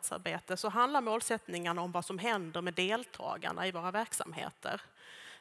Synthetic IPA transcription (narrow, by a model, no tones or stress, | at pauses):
t̪sa̰ɾbeːt̪əsɔɦand̪laɾmoːlsɛt̪nɪŋaɳaɔmvasɔmɦɛnd̪əɾmɛd̪eːlt̪ʰɑ̰ːɡa̰ɳa̰ɪvoːɾavæɾksa̰mɦḛːt̪ʰə̰ɾ